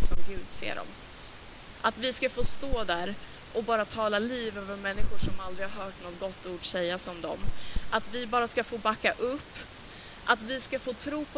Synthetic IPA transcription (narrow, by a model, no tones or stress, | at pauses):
sɔmɡʉ̟ːd̪sḛːɖɔ̰m | ʔat̪vɪskafoːst̪oːd̪æːɾ | ʔɔbɑːɾat̪ʰɑːlaliːvøːvəɾmɛnːɪɧʊʂɔmald̪ɾɪhaɾɦœːʈnɔt̪̚ɡɔt̪ːuːɖsɛjːasɔmd̪ɔ̰mʔat̪vɪbɑːɾaskafoːbakːaʔɵpː | ʔat̪vɪskafoːt̪ʰɾuːpʰɔ